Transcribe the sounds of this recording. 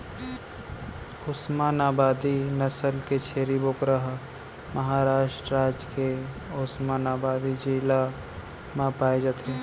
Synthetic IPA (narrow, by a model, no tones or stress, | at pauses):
ʊsmaːnaːbaːd̪inɐsəlket͡ʃʰeːɾibokɾəɦ | məɦaːɾaːʃʈɾaːd͡ʒke | ʊsmaːnaːbaːd̪id͡ʒiːla | mãpaːid͡ʒaːt̪ʰe